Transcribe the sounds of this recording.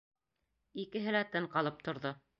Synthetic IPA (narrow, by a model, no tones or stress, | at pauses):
ikɘ̆ɦɘ̆læt̪ɘɴqɑlˠɤp̚t̪ŏɾðo